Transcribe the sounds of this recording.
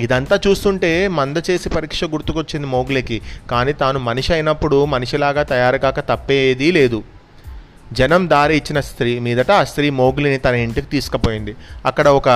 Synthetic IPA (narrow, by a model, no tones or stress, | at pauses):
id̪ɐnt̪aːt͡ʃuːst̪uɳʈe̞ːmɐnd̪ɐt͡ʃe̞ːsipɐɾiːkʂɐɡuɾt̪ukot͡ʃːind̪imo̞ːɡulɐkikaːniːt̪aːnumɐniʂɐjnɐpːuɽumɐniʂilaːɡaːt̪ɐjaːɾɐɡaːkɐt̪ɐpːeːjd̪ile̞ːd̪u | d͡ʒɐnɐmd̪aːɾiit͡ʃːinɐst̪ɾiːmiːd̪ɐʈɐst̪ɾiːmo̞ːɡulinit̪ɐnɐiɳʈikit̪iːsu̥kɐpo̞ːjind̪iɐkːɐɽɐɔkɐ